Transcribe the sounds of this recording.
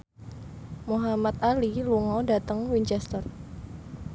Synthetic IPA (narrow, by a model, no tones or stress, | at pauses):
muɦamat̪̚aliluŋawdat̪əŋwiɲt͡ʃɛst̪ər